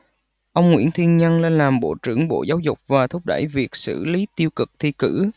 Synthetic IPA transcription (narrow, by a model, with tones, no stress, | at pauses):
ʔə˧wŋ͡mŋwḭ˧˥ənt̪ʰi˧ənɲə˧nle˧nlaː˨˩mɓo̰˧˩t͡ɕɨ̰˧˩əŋɓo̰˧˩zaː˨˦wzʊ˨˩k͡p̚vaː˨˩t̪ʰʊ˦˥k͡p̚ɗə̰˧˩jvi˨˩ək̚sɨ̰˧˩li˨˦t̪i˧əwkɨ˨˩k̚t̪ʰi˧kɨ̰˧˥